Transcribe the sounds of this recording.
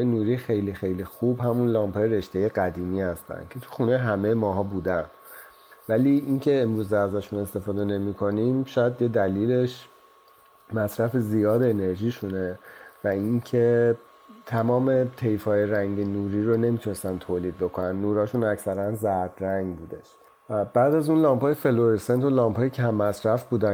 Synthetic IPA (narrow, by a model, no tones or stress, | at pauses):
jenuːɾixe̞jlixe̞jlixubhæmunlɒːmpʰɒːjeɾe̞ʃt̪e̞je̞ɢæd̪iːmiːhæst̪æ̰nd̪cʰe̞t̪ʰu̥xunejɦæmejemɒːɦɒːbuːd̪æn | væliːʔincʰe̞ːmɾuːzeæzæʃune̞st̪e̞fɒːd̪e̞ne̞mikʰo̞niːmʃɒːjæd̪je̞d̪æliːle̞ʃ | mæsɾæfezijɒːd̪ene̞ɾʒiːʃune̞væiŋcʰe̞ | t̪ʰæmɒːmet̪ʰe̞jfɒːjeɾæŋɟe̞nuːɾiɾone̞mit̪unest̪ænt̪ʰoːliːd̪̚bo̞kʰonænːuːɾɒːʃunæcsæɾænzæɾd̪ɾæŋɡbuːd̪e̞ʃ | væbæːd̪æzunlɒːmphɒːjefe̞loɾisent̪ʰolɒːmpʰɒːjecʰæmːæsɾæfbuːd̪æ